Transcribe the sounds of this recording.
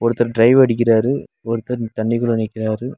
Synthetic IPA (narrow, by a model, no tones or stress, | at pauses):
ɔɾɯt̪ːɐɾɖɾɐɪʋɐɽɪk̬ːɪraːɾɯ | ɔɾɯt̪ːɐɾt̪ɐɳːɪɣɐɭɐnɛkʲːɪraːɾɯ